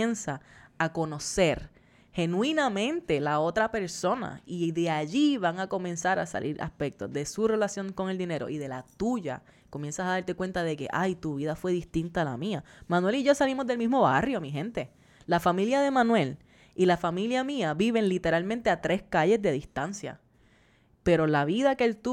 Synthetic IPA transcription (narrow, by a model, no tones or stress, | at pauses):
ensaːko̞no̞se̞ɾ | he̞nw̃inamẽ̞nt̪e̞lao̞t̪ɾape̞ɾso̞na̰iðe̞aʝiβaŋako̞mẽnsaɾa̰sa̰lḭɾa̰spe̞k̚t̪o̞̰zðe̞sure̞lasjo̞ŋko̞ŋe̞ld̪ine̞ɾo̞ʔiðe̞lat̪uʝa̰ | ko̞mje̞nsasaðaɾt̪e̞kwe̞nt̪aðe̞ke̞̰ʔajt̪uβiðafwe̞ðist̪int̪ala̰miamãnwe̞liʝo̞salimo̞zðe̞lmizmo̞βarjo̞miɦẽ̞nt̪e̞ | lafamiljaðe̞mãnwe̞l | ilafamiljamiaβiβe̞ŋlit̪e̞ɾalmẽnt̪e̞at̪ɾe̞skaʎe̞zðe̞ðist̪ansja̰ | pe̞ɾo̞laβiðakelt̪u